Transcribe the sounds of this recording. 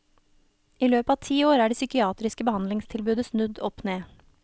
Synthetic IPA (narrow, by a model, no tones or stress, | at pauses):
iːløːpɑːʋt̪ʰiːoːɾæːɖeːsʏkɪɑːt̪ɾɪskəbəhɑnlɪŋst̪ʰɪlbʉːd̪əsnʉd̪ɔpneː